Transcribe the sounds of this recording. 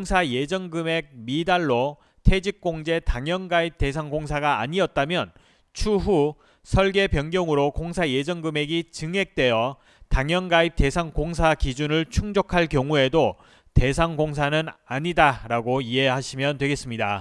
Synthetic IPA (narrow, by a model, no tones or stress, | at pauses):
ŋsʰaje̞d͡ʑʌŋɡɯme̞k̚midaɭːo | tʰe̞d͡ʑik̚k͈oŋd͡ʑe̞taŋjʌnɡaip̚te̞s̬ʰaŋɡoŋsʰaɡaːɲiʌt̚t͈amjʌn | t͡ɕʰuɸu | sʰʌɭɡe̞pjʌŋɡjʌŋɯɾokoŋsʰaje̞d͡ʑʌŋɡɯme̞ɡit͡ɕɯŋe̞k̚t͈we̞jʌ | taŋjʌnɡaip̚te̞sʰaŋkoŋsʰakid͡ʑunɯɭt͡ɕʰuŋd͡ʑokʰaɭkjʌŋue̞do | te̞s̬ʰaŋɡoŋs̬ʰanɯnaɲidaɾaɡoie̞ɦaɕʰimjʌntwe̞ɡe̞s͈ɯmɲida̰